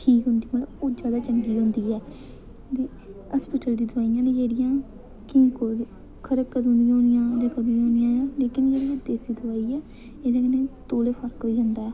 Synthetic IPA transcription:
ʈʰiːkɦʊnd̪iːmələoːd͡ʒaːd̪aːt͡ʃəŋɡiːɦʊ̃nd̪iːɛː | t̪eː | aspɪːʈəld̪iːd̪əʋaːijãːneːd͡ʒeːɽɪjãː | kɪĩːko | kʰəɾəkəd̪ːnd̪ɪjãɦõːnɪjãːd͡ʒãːkəd̪iɦõːnd̪ɪjãːjãːleːkɪnd͡ʒeːɽiãːd̪eːsiːd̪ʊʋaːiːɛː | eːd̪aːkəneːt̪oːleːpʰəɾkɦoːiːd͡ʒə̃nd̪aːɛː

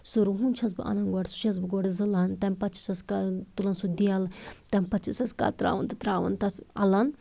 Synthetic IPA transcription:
suɾuɦunt͡ʃʰɐsbɨ̰ʔɐ̰nɐnɡɔɽsu̥ʃɐs̬bɨɡɔɽizɨlɐnt̪ɐmpɐt͡ʃi̥sɐskat̪ulɐnsud̪iɐlt̪ɐmpɐt͡ʃisɐska̰ːt̪ɾa̰ːʋɐ̰nt̪ɐt̪ɾaːʋɐ̰nt̪ɐt̪ʰɐ̰lɐn

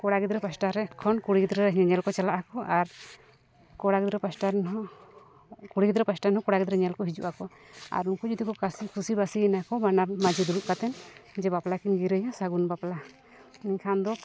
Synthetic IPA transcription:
kɔɽaɡid̪ɾɛpasʈaɾɛkʰːɔnkuɽiɡid̪ɾɛɲɛlkɔt͡ʃalaʔakɔʔaɾ | kɔɽaɡid̪ɾɛpasʈanɦɔ | kuɽiɡid̪ɾɛpasʈanɦɔkɔɽaɡid̪ɾɛɲɛlkɔɦid͡ʒuʔakɔ | a̰ɾunkɔd͡ʒɔd̪ikɔkasikʰusibasiɛnakɔbanaɾmad͡ʒid̪uɾuʔ̚kat̪ɛnd͡ʒɛbaplakinɡiɾəjasaɡunbapla | niɲkʰand̪ɔ

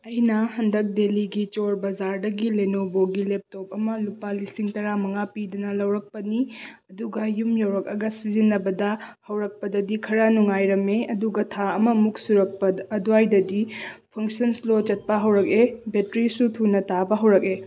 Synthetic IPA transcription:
ɐjnɐhɐndɐk̚deliɡit͡ʃoɾbɐzaɾdɐɡilenoboɡilep̚top̚ɐmɐlupalisiŋtɐɾamɐŋapidɐnɐlɐwɾɐk̚pɐniɐduɡɐjumjɐwɾɐk̚ɐɡɐsizinːɐbɐdɐhɐwɾɐk̚pɐdɐdikʰɐɾanuŋajɾɐmeɐduɡɐtʰaɐmɐmuk̚suɾɐk̚pɐːduajdɐdipʰɐŋsɐnslot͡ʃɐt̚pɐɦɐwɾɐk̚ebetɾisutʰunɐtabɐɦɐwɾɐk̚e

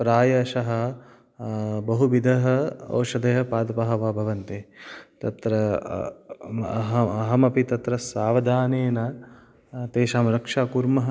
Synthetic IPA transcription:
pɾaːjɐːʃɐɦɐ̆ | bɐɦuʋid̪ʱɐɦɐo̰ːʃɐd̪ʱɐɦɐpaːd̪ɐpɐɦɐʋaːbʱɐʋɐnt̪eːt̪ɐt̪ɾɐ | ɦɐɐɦɐmɐpit̪ɐt̪ɾɐsaːʋɐd̪ʱaːneːnɐ | t̪eːʃaːmɾɐkʂaːkuɾmɐɦɐ

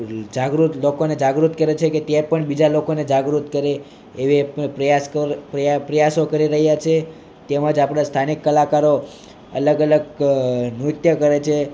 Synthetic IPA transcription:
d͡ʒaɡɾut̪lokoned͡ʒaɡɾut̪kəɾet͡ʃʰeket̪jɛpəɳbid͡ʒalokoned͡ʒaɡɾut̪kəɾeː | ʋepɾəjaskəppɾəjasokəɾiɾəɦjat͡ʃʰe | t̪emãd͡ʒapɳast̪ʰanikːəlakaɾo | ə̰ləɡələɡnut̪jəkəɾet͡ʃʰe

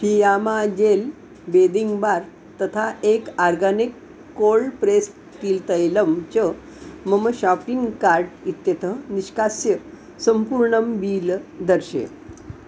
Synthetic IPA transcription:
hijamad͡ʑel | bed̪iŋɡbaɾ | t̪ət̪ʰaʔekaɾɡanikː | olpɾes | ʈiːlt̪əjləmt͡ɕə | məməɕapiŋɡkaɾʈit̪jet̪ʰəniɕkasjə | səmpuɾɳəmbiːld̪əɾɕḛ

